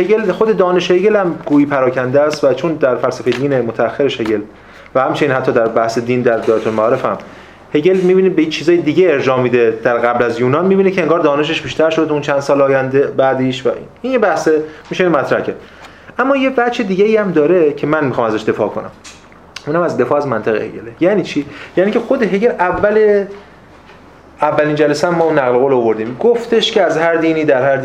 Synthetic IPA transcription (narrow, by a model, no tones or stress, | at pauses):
heɟelxod̪e̞d̪ɒːne̞ʃheɟe̞læmɡuːiːpʰæɾɒːcʰænd̪ææst̪væt͡ʃʰond̪æɾfælsæfejed̪iːnemot̪ʰææxːeɾeʃhe̞ɟe̞l | væhæmt͡ʃʰeniːnhæt̪ʰːɒːd̪æɾbæhse̞d̪iːnd̪æɾd̪ɒjt̪ʰolmæɒːɾe̞fæ̰m | he̞ɟe̞lmibiːnebet͡ʃʰiːzɒːjed̪iːɟeeɾd͡ʒɒːmiːd̪ed̪̥æɾɣæblæzjuːnɒːnmiːbiːnecʰe̞eŋɡɒːɾd̪ɒːne̞ʃ̬e̞ʃbiːʃt̪æɾʃo̞d̪ʰuunt͡ʃʰænd̪sɒːlɒːjænd̪ebæd̪iʃvæʔḭninjebæhsemiʃeinomæt̪ʰɾæ̰hcʰæd̪ | ʔæmːɒːjebæʃed̪iːɟeiːæmd̪ɒːɾe̞cʰe̞mænmixɒmæzæʃd̪e̞fɒ̰ːkʰo̰næ̰m | ʔunæmæzd̪e̞fɒːæzmænt̪ʰeɣḛhḛɟelejæːniːt͡ʃʰijæːniːcʰe̞xo̞d̪eɦeɟelʔævːæle | ævːæliːnd͡ʒælæsæmːɒːunːæɣloɣoːloovo̞ɾd̪iːmɡoft̪ʰe̞ʃcʰeæzhæɾd̪iːniːd̪æɾhæɾ